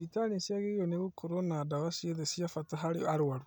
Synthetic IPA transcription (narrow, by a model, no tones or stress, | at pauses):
itanisiaɣejoneɣukʰoɾonadawasieðesiafataɦaɾiaɾwaɾo